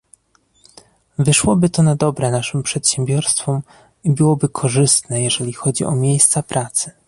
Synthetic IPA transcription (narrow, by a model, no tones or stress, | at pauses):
vɘʂwɔbɘt̪ɔnad̪ɔbɾɛnaʂɘmpʂɛt̪ɕɛmbʲjɔɾst̪fɔm | ibɘwɔbɘkʰɔʐɘst̪nɛjɛʐɛlʲixɔd͡ʑiʔɔ̰mʲjejst̪sapɾʔat̪sɘ̥